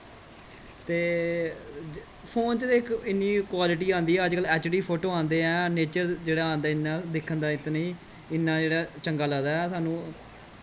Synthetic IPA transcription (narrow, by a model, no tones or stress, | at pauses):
t̪eː | pʰoːnt͡ʃd̪eɪkɪnːiːkwaːlɪʈ̬iːãːnd̪iːɛːəd͡ʒkəlɛːt͡ʃɖiːpʰoːʈoːãːnd̪eːɛ̃ːneːt͡ʃəɾd͡ʒeːɽaːãːnd̪aːɪnːãːd̪ekʰːənd̪aːɪt̪nĩː | ɪnːãːd͡ʒeːɽaːt͡ʃəŋɡaːləːd̪aːɛːsaːnũː